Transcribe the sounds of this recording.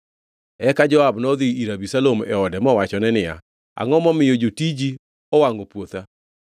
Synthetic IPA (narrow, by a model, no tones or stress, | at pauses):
ɛkad͡ʒɔabnɔðiiɾabisalomɛ̰ɔdɛmɔwat͡ʃɔnɛnɪja̰ | a̰ŋɔmɔmɪjod͡ʒotid͡ʒi | ɔwaŋɡopwot̪a